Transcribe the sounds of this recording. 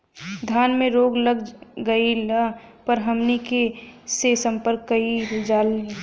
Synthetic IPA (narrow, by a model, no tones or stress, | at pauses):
d̪ʱjaːnmẽɾoːɡləɡɡəilapəɾɦəmnikesesə̃mpəɾkːəild͡ʒaːlːi